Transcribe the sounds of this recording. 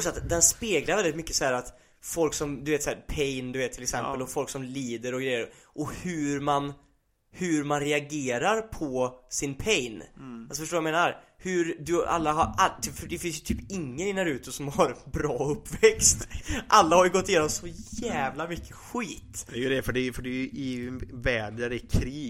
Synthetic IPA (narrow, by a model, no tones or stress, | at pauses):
sɔat̪d̪ɛnspeːɡlaɾvɛldɪt̪mʏkːə̥sɔhæːɾat̪ | fɔlksɔmd̪ɵveːt̪sɔhæːɾpʰɛjnd̪ɵveːt̪ʰːɪlɛksɛmpːəlɔfɔlksɔmliːd̪əɾɔɡɾɛjːəɾ | ʔɔhʉɾman | hʉɾmanɾɛaɡeːɾaɾpʰɔsɪnpʰɛjnalsɔfœʂʈoːvjameːnaɾhʉɾd̪ɵa̰lːaɦaɾalfœɖɛfɪns̬jə̥t̪ʰyːpɪŋːənɪnaɾʉ̟ːt̪əsɔmhaɾbɾɑːɵpːvɛkst̪ʔalːahaɾjɵɡɔt̪ːɪjeːnɔmsɔjæːvlamʏkʰːə̥ɧiːt̪d̪ɛjəd̪ɛfœɖɛfœɖɛjʔɪnvɛːd̪əɾɛkʰɾiː